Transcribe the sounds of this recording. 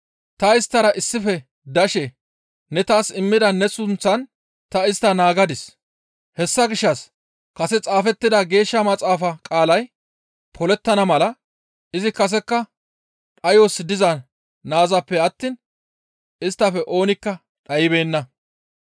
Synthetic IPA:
t̪ɐɪst̪ːɐɾɐʔɪsːɪfɛ | d̪ɐʃɛ | nɛt̪aːsɪmːɪd̪ɐnːɛsʊnt͡sːɐn | t̪ɐɪst̪ːɐnaːɡɐd̪ɪs | hɛsːɐɡɪʃːɐs | kɐsɛt͡sʼaːfɛt̪ːɪd̪ɐɡe̞ːʃːɐmɐt͡sʼaːfɐkʼaːlɐj | pʰɔlɛt̪ːɐnɐmɐlɐ | ɪzɪkɐs̬ɛkːɐ | ᶑɐjosd̪ɪzɐ | naːzɐpːɛɐt̪ːiːn | ɪst̪ːɐfɛʔo̞ːnɪkːɐ | ᶑɐjɪbe̞ːnːɐ

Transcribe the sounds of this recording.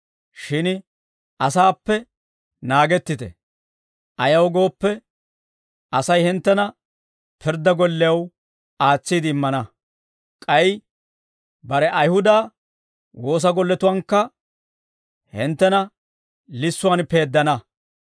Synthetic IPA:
ʃɪn | ʔɐsaːpːɛ | naːɡɛt̪ːɪt̪ɛ̰ | ʔɐjɐwɡo̞ːpːɛ | ʔɐsɐjhɪnt̪ːɛnɐ | pʰɪɾd̪ːɐɡɔlːɛjɐw | aːt͡sːiːd̪ɪɪmːɐnɐ | kʼɐj | bɐɾɛʔɐjhʊd̪aː | wo̞ːs̬ɐɡɔlːɛt̪ʊwɐŋkːɐ | hɪnt̪ːɛnɐ | lɪsːʊwanpe̞ːd̪ːɐnɐ

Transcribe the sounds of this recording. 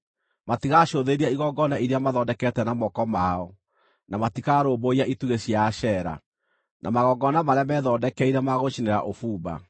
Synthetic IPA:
matiɣaʃoðeɾiaiɣɔɡɔnaiɾeamaðɔdɛkɛtɛnamɔkɔmaɔ | namatikaɾoːboiaʔituɣesjaʃɛɾa̰ | nʔa̰maɣɔɡɔnamaɾeamɛːðɔːdɛkɛiɾɛmaɣoʃineɾa̰ʔofuːba̰

